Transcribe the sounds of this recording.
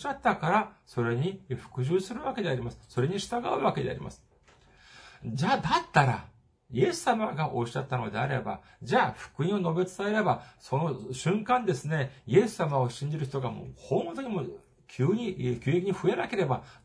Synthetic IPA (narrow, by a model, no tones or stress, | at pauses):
ɕat̪ːakaɾaso̞ɾe̞ɲ̟iɸɯ̥kɯ̟ʑɨːsɨɾɯ̟βake̞d̪e̞aɾʲimasɨ̥so̞ɾe̞ɲ̟iɕi̥t̪aɡaɯ̟βake̞d̪e̞a̰ɾʲḭma̰sɨ̥ | d͡ʑaːd̪at̪ːaɾa | je̞sːamaɡaʔo̞ɕat̪ːano̞d̪e̞aɾe̞̰ba̰ | d͡ʑaːɸɯ̥kɯ̟ĩo̞no̞be̞t͡sɨ̥t̪ae̞ɾe̞baso̞no̞ɕɨ̃ŋkãnd̪e̞sɨne̞ie̞sːamao̞ɕĩɲ̟d͡ʑiɾɯ̟ç̬i̥t̪oɡamo̰hõmot̪oɲ̟imo̞ | kʲʰɨːɲ̟ikʲɨːekʲiɲ̟iɸɯ̟e̞nake̞ɾe̞ba